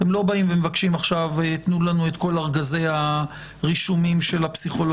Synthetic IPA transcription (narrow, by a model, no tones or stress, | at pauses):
t̪emlo̞baimvemevakʃimaχʃavt̪nulanuet̪ko̞laʁɡaze̞jha | ʁiʃumimʃe̞lapsiχo̞lo